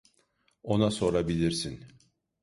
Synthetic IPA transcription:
o̞naso̞ɾabilʲiɾsin

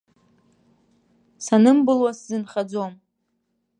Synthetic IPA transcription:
sanɨmbɨlwaszɨnχad͡zom

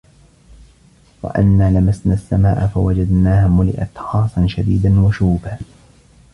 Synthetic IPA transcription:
wa̰ʔa̰nːaːlamasnaːsːama̰ːʔafawad͡ʒad̪naːhamʊlɪ̰ʔa̰t̪xɑːsˤɑnʃad̪iːd̪anwaʃuːbaː

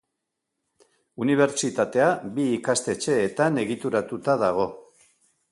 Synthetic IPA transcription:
uniβ̞e̞ɾt͡ʃit̪at̪e̞abiːkast̪e̞t͡ʃe̞ːt̪ane̞ɣit̪uɾat̪ut̪aðaɣ̞o̞

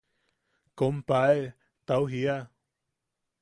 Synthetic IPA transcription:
kompae | t̪awɦia

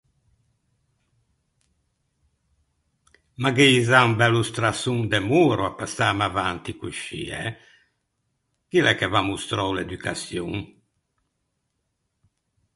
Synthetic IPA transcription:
maɡiːzauŋbɛlust̪ɾasuŋd̪ɛmuːɾuapasamavant̪ikuʃḭɛ | kilɛkːɛvamust̪ɾɔwled̪ykʰasjuŋ

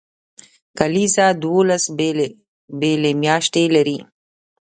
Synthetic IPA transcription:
kɐlisad̪wolas | belemjɑːʃʈ̪elɐɾi

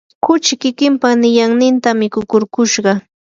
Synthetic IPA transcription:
kʊt͡ʃɪkɪkɪmpanɪjaŋnɪnt̪amɪkʊkʊɾkʊʃɢɑ

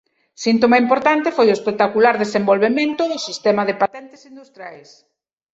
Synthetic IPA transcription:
sint̪omaimpoɾt̪ant̪efojʊespek̚t̪akulaɾðesembolβemẽnt̪ʊðʊsist̪ɛmɐðepat̪ɛnt̪e̥sind̪ust̪ɾjajs

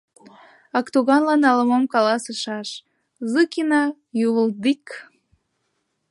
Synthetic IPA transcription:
ɑkt̪oɣɑnlɑnɑləmomkɑlɑsəʃɑʃ | zɨkinɑ | juβəld̪ik

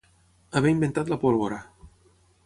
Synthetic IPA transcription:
aβeimbent̪at̪lapolβoɾa

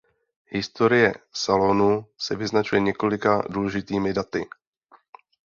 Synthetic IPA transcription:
ɦɪst̪o̞ɾɪjɛ̰salo̞nusɛvɪznat͡ʃujɛɲɛko̞lɪkaduːlɛʒɪt̪iːmɪdat̪ɪ

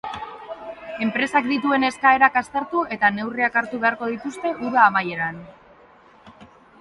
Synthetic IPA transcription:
e̞mpɾe̞sakd̪it̪ue̞ne̞skae̞ɾakast̪eɾt̪ue̞t̪ane̞wriakaɾt̪uβe̞aɾko̞ð̞it̪ust̪e̞ʔuɾaːmaje̞ɾan

